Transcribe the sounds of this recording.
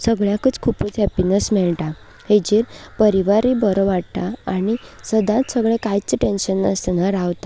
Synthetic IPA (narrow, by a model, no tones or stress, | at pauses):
səɡɭjãkət͡skʰupət͡sɦɛpinəsmɛɭʈa | hed͡ʑiɾpəɾiʋaɾibəɾɔʋaɽt̪aaɽ̃isəd̪ãt̪səɡɭẽkajt͡səʈenɕənːəsənaɾawt̪a